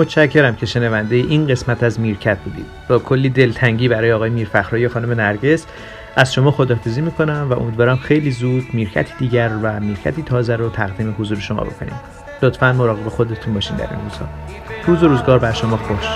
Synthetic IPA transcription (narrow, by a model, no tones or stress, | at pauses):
mot̪ʃæcʰːe̞ɾæmcʰe̞ʃe̞nævænd̪e̞jeʔinɢe̞smæt̪ʰæzmiɾcʰæt̪̚ʰbuːd̪ḭd̪b̥ɒːkʰo̞lːiːd̪e̞lt̪ʰæŋɟiːbæɾɒːjeɒːɣɒːjemiːɾfæxɾɒːjexɒːnome̞næɾɟe̞s | ʔæzʃo̞mɒːxo̞d̪ɒːfiziːmiːkʰo̞næmvæʔo̰mid̪vɒːɾæmxe̞jliːzuːd̪miːɾcʰæ̰t̪ʰi̥d̪iːɟæɾvæmiːɾcʰæ̰t̪ʰiːt̪ʰɒːzæɾot̪ʰæɣd̪iːme̞hozuːɾeʃo̞mɒ̰bo̞kʰo̞̰nḭːm | lot̪fænmo̞ɾɒːɣe̞bexo̞d̪et̪ʰunbɒːʃind̪æ̰ɾḭnruːz̥hɒ̰ː | ɾuːzo̞ɾuːzɡɒːɾbæɾʃo̞mɒːxoʃ